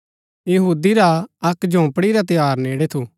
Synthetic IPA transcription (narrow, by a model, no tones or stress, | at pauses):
jɐɦuːd̪iɾaɐkd͡ʒõːpɽiɾat̪̬ɪjaːɾneːɽet̪ʰu